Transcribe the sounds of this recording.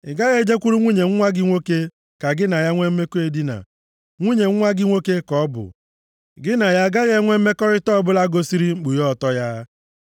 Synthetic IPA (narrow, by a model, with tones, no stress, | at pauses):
ɪ˨ɡa˦ɣe˦d͡ʒe˦kʷu˦ɾu˦ŋʷi˦ɲe˨ŋ̩˦ŋʷa˦ɡɪ˦ŋʷo˦ke˦ | ka˨ɡɪ˦na˨ja˦ŋʷe˦m̩˦me˦ko˦e˦di˦na̰˨ | ŋʷu˦ɲe˨ŋ̩ʷ˦a˦ɡɪ˦ŋʷo˦ke˦kɔ˦bʊ̰˨ | ɡɪ˦na˨ja˦ɡa˦ɣe˦ŋʷe˦m̩˦me˦kɔ˦ɾɪ˦tɔ˦bʊ˦la˦ɡo˦si˦ɾi˦ŋ͡m̩˦ɡ͡bu˨jɔ˦˨tɔ˦ja˦